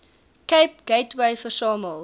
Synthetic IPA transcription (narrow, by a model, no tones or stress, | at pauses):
keɪp̚ɡ̥eɪtweɪfəsɑːməl